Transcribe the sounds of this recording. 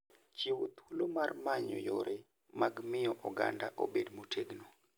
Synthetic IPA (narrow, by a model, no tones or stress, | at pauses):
t͡ʃiwot̪wulomarmaɲɔ̰joɾe | maɡmɪjɔʔɔɡa̰nda̰ʔobedmotʰeɡno